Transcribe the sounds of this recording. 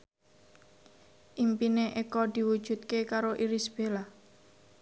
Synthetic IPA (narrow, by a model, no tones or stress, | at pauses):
ʔimpineʔekɔd̪̥i̤wud̥ʒ̥ṳt̪̚kekaɾoʔiɾisb̥ela